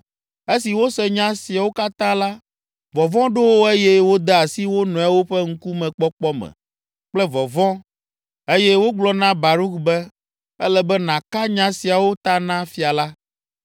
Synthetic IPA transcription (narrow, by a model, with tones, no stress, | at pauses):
e˦si˨wo˦sɛ˦ɲã˦si˨a˨wo˦ka˦t̪ã˦la˦ | vɔ˨vɔ̃˦ɖo˦wo˦e˦jɛ˦wo˦d̪ɛ˦a˨si˦wo˦nɔ̃˨a˦wo˦ɸɛ˦ŋ̩˦ku˦mɛ̃˨k͡pɔ˦k͡pɔ˦mɛ̰̃˨ | k͡plɛ˦vɔ˨vɔ̃˦ | e˦jɛ˦wo˦ɡ͡blɔ˦nã˦ba˨ɾu˦kbɛ˦ | ɛ̰˦lɛ˨bɛ˦nã˨ka˦ɲã˦si˨a˨wo˦t̪a˦nã˦fi˦a˨la˦